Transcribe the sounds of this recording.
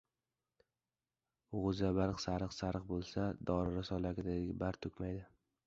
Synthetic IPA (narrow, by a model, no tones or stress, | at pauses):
ʊʁʊzabaɾqsaɾɨqsaɾɨq̚bolˠsad̪ɒɾɪɾasɒlaɡʲɪd̪aɡʲabaɾt̪ʰʊkʲmajd̪ɪ